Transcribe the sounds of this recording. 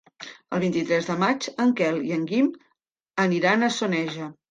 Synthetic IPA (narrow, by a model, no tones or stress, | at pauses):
əlˠβ̞int̪it̪ɾɛzðəmat͡ʃəŋkɛlˠiəŋɡim | əniɾanəsonɛʒə